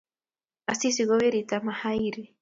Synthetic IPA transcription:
asisiɣoβeɾit̪amahajɾi

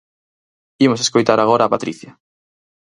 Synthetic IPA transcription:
imoseskojt̪aɾaɣoɾaːpat̪ɾiθjɐ

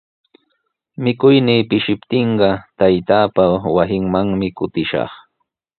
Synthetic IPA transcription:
mɪkʊjniːpɪʃɪpt̪ɪɴɢɑt̪ajt̪aːpawasɪŋmaŋmɪkʊt̪ɪʃɑ̰χ

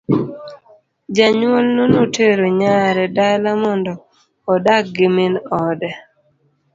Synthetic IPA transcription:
d͡ʒaɲwolnonoteɾoɲaɾɛdalamɔndɔː | dak̚ɡɪmɪnɔdɛ

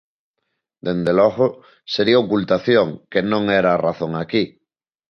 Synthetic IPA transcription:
d̪end̪elɔɣo | seɾiaokult̪aθjoŋkenõŋeɾaːraθoŋaki

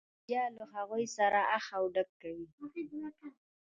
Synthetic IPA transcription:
jaləɦaɣujsaɾaʔaxawɖakːawi

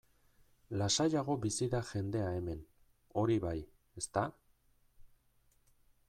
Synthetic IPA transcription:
lasajaɣ̞o̞bisiðaʝe̞nd̪e̞ae̞me̞n | o̞ɾiβaj | e̞st̪a

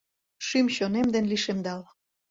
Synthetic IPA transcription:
ʃymɕonemd̪enliʃemd̪ɑl

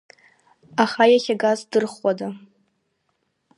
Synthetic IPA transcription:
aχajaχʲaɡazdɨrχwada

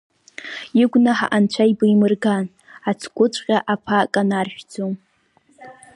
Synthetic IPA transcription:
iɡʷnaħa̰ʔant͡ɕʷʰajbɨimɨrɡan | at͡sʰkʷʼʊt͡ʃʷʼqʲʼaʔapʰakʼanarʃᶣd͡zom

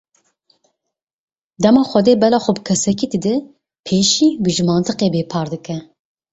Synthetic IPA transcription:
d̪ɛmɑːxʷɛd̪eːbɛlɑːxʷɔbɨkʰɛsɛkiːd̪ɨd̪ɨ | pʰeːʃiːbɨʒɨmɑːnt̪ʰɨqeːbeːpʰɑːɾd̪ɨkɛ

